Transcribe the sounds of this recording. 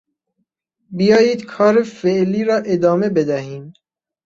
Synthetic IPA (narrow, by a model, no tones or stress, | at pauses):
bijɒːjiːd̪kʰɒːɾefeʔliːɾɒːʔe̞d̪ɒːme̞be̞d̪æhiːm